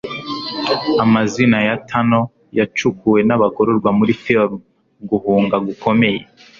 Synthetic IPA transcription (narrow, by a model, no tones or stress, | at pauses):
amazinajatʰano̞ | jat͡ʃukuwe̞naβaɡoɾoɾɡwamuɾifi | ɡuhuːŋɡaɡukʰo̞me̞je